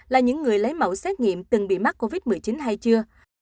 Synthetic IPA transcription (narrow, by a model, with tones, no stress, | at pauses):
laː˨˩ɲɨ̰˧˥ŋːɨ˨˩əjlə˨˦jmə̰˧˩wsɛ˦˥t̚ŋḭ˧˨əmt̪ɨ˨˩ŋɓḭ˧˨ma˦˥k̚ko˧vi˦˥t̚mɨ˨˩əjt͡ɕi˨˦nɦa˧jt͡ɕɨ˧ə